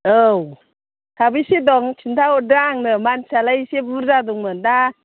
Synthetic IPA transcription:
ʔɯw | t̪ʰabisidɔŋt͡ʃʰint̪ʰawdɾaŋnɯmansalajsibuɾzaduŋmɯnda

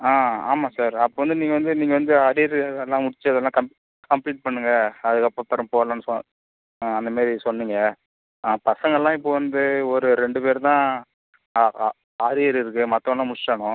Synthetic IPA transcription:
aːa̰ːmaːsaːɾɐpːoːʋɐnd̪ɯniːŋɡɐʋɐnd̪ɯniːŋɡɐʋɐnd̪ɯaːɾijɐɾɛlːãːmʊɽɪt͡ʃːɯɐðɛlːãːkɐm | kɐmpliːʈ̚pɐɳːɯŋɡɐɐðɯkːɐpːoːpːɐɾɐ̃mpoːʋlɐnːɯsɔ | ɐnd̪ɐmaːɾisɔnːiŋɡɐ | pɐsɐŋɡɐɛlːãːɪpːoːʋɐnd̪ɯɔɾɯɾɛɳɖɯpeːɾt̪ãː | aːɾɪjɐɾɪɾɯkːɯmɐt̪ːɔ̃ɛlːãːmʊɪt͡ʃːaːɳʊ̃

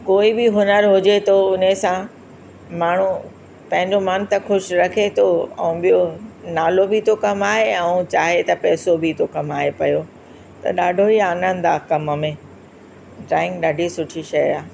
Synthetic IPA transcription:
koːibɪɦʊnəɾɦʊd͡ʑet̪ʰoʊnesã | maːɳ̤u | pɐ̃ɦɪ̃ɲd͡ʑomaːnt̪ɐxʊʃɾɐkʰet̪ʰoɛ̰̃ũɓijonaːlobʱɪt̪ʰokɐmaːɦeɛ̃ũt͡ɕaːɦet̪ɐpɛːsobʱɪt̪ʰokɐmaːɦepɐjo | t̪ɐ̰ɗaːɖʱoiaːnə̃nd̪aːkɐmmẽ | ʈɾaːɪ̃ŋɡɗaːɖʱisʊʈʰiʃɐjaː

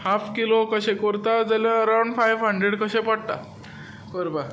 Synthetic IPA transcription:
hapʰkilokəɕẽkoɾt̪ad͡zəljãəɾawɳɖfajʋɦəɳɖɾeɽkəɕẽpaɽt̪a̰ | kəɾba

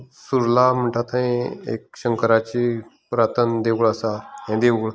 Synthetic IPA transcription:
suɾlam̤əɳʈʰat̪aĩḛk̚ɕəŋkəɾat͡ɕi | pɾat̪ənd̪eʋɡɭəsajãd̪eʋɡɭ

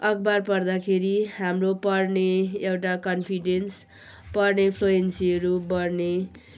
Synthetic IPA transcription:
ʌkbarpʌrd̪akʰeɾiɦamropʌrneewʈakʌnpʰiɖens | pʌrnepʰloensiʌɾubʌrne

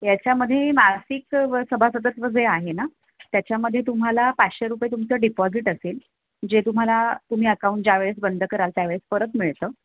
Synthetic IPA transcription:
jat͡ɕjaməd̪ʱːjemasiksəbʱasət̪̬ət̪ʋəd͡zeaɦena | t̪jat͡ɕjaməd̪ʱjet̪um̤alapat͡sɕeɾupjet̪umt͡səɖipɔd͡ziʈəseːl | d͡ʑet̪um̤alat̪um̤iːəkaũɳʈ̚d͡ʑaʋeɭes̬bənd̪ʱəkəɾalt̪jaʋeɭesfəɾət̪miɭt̪əː

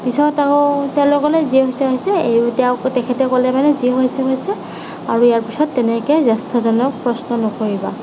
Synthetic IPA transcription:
pisɔtakɔtɛ̃lɔkɔlɛziɛɦojsɛaɦisɛejtɛwtɛkʰɛtɛkɔlɛmanɛziɦojsɛɦojsɛ | aɹuijaɹpisɔtːɛnɛkɛzastʰɔzɔnɔk̚pɹɔsnɔnɔkoɹiba̰

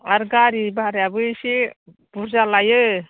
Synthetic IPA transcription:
aɾɡaɾibaɾjabɯsi | b̥uɾzalajɯ

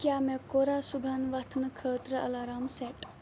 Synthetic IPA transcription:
kjaːmekoːɾaːsubʱanʋat̪ʰnɨkʰəːt̪ɾəɐ̰laːɾaːmseːʈ

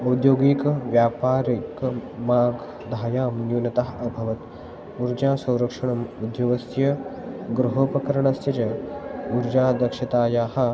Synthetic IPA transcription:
ɐwd̪joːɡikʋjaːpaːɾikmaːɡ | d̪ʱaːjaːmjuːnɐt̪aɦɐbʱɐʋɐt̪ | uɾd͡ʒaːsɐ̃w̃ɾɐkʂɐɳɐmud̪joʋɐsjɐɡɾuɦoːpɐkɐɾɐɳɐst̪jɐt͡ʃɐuɾd͡ʒaːd̪ɐkʂɐt̪aːjaːhɐ̆

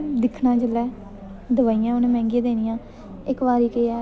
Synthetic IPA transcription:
d̪ɪkʰnãːd͡ʒəlːɛː | d̪əʋaːijãːʊnẽːmɛ̃ːŋɡẽːd̪eːnɪjãː | ɪkʋaːɾiːkeːɛː

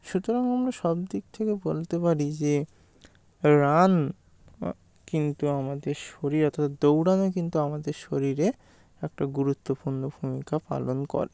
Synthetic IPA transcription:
ʃut̪oɾaŋamɾaʃɔbd̪ik̚t̪ʰekebolt̪epaɾid͡ʑe | ɾan | kint̪uamad̪eɾʃoɾiɾɔt̪ʰat̪ad̪owɽanokint̪uamad̪eɾʃoɾiɾe | ɛk̚ʈaɡuɾut̪ːopuɾnobʱumikapa̰lonkɔ̰ɾe

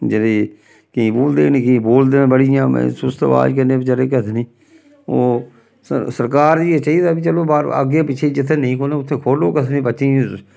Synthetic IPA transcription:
d͡ʒəd̪eː | kɪĩːboːld̪eːnĩːkɪĩːboːld̪eːẽːbəɽijã̰ːsʊst̪əʋa̰ːd͡ʒk̬ənẽːpːt͡ʃəɾeːkət̪ʰːniː | oː | səsəɾkaːɾd͡ʒiːeːt͡ʃaːiːd̪aːbit͡ʃəloːbaːɾə̰ɡeːpɪt͡ʃʰeːid͡ʒɪt̪ʰːeːnəĩːkʰoːneːʊt̪ʰːeːkʰoːloːkət̪ʰːnĩːpətːʃĩː

